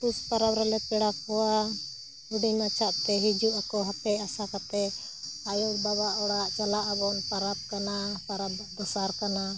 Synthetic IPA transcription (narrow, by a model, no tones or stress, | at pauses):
p̪uspaɾabɾɛlɛpɛɽap̚ɔwa | uɖinat͡ʃʰaʔt̪ɛɦid͡ʒuʔakɔɦapɛasakat̪ɛ | ajɔkbaβaʔɔɽaʔt͡ʃalaʔabɔnpaɾap̚kanapaɾabd̪ɔsaɾkana